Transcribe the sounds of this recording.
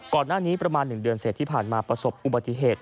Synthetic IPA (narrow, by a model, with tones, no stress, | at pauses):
kɔː˨˩nːaː˥˩niː˦˥pɾa˧maː˧nːɯ˨˩ŋdɯ˧ənseː˨˩t̪ʰːiː˥˩pʰaː˨˩nmaː˧pɾa˧so˨˩p̚ʔu˨ba˨˩t̪ːi˧˥˩ɦeː˨˩t̪̚